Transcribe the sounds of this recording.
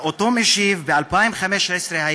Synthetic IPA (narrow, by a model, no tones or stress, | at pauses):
ʔot̪omeʃivbealpaimχameʃesɾehaj